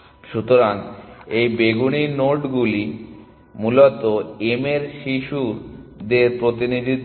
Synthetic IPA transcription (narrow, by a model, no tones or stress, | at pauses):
ʃut̪oɾanejbeɡuninoʈɡuli | mulot̪oemeɾʃiʃud̪eɾpɾot̪inid̪ʱi